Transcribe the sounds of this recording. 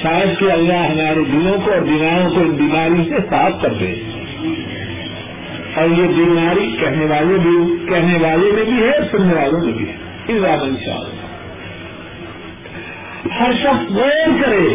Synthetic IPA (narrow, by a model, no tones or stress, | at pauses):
ʃaːjəd̪keɐlːaɦɦɐmaːɾed̪ɪlõkoɔːɾbiːmaːɾõkoɪnbiːmaːɾĩsesaːpkɐɾd̪ḛ̃ː | ɔːɾjebiːmaːɾikɛɦneʋaːlebʱikɛɦneʋaːlẽmẽbʱiɦɛɔːɾsʊnːeʋaːlõmḛ̃bʱḭɦɛ | ɪzaːmɐ̃nʃa̰ːla̰ | hɐɾʃɐxsmonkɐɾẽː